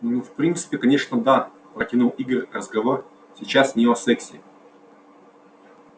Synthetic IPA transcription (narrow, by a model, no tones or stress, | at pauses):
nnufpɾʲint̪sɨ̥pʲɪkɐnʲe̞ʂnəd̪a | pɾətʲɪnulˠiɡərʲrəzɡɐvo̞r | sʲɪt͡ɕasnʲeɐsɛksʲɪ